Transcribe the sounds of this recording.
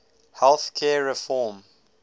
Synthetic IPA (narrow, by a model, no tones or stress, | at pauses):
hɛlˠθkʰɛːɹɛfɔːm